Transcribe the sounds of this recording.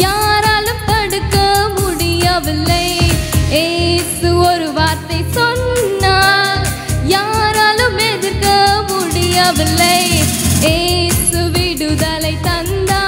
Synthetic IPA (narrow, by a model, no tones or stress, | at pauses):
jaːɾaːlumt̪ɐɽukːɐmuɽijaʋilːɐjesuoɾuʋaːɾt̪ɐjsonːa | jaːɾaːlumeðukɐmuɽijaʋilːɐjesuʋiɽud̪ɐlɐjt̪ɐnd̪a